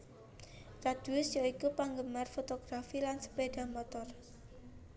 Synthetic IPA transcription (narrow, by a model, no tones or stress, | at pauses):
rad̪̥uʊsjaikupaŋɡəmarfot̪oɡ̥ɾafilansə̥beɖ̥a̤mɔt̪ɔr